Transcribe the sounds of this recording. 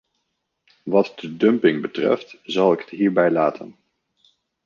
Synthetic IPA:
ʋɑtdədɵmpɪŋbətrɛ̰ftzɑlˠɪkə̥tɦiːɹbɛjlaːtʰə̰n

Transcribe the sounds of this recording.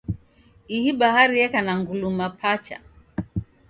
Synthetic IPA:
ihiɓaɦaɾiɛkanaŋɡulumapʰat͡ʃa̰

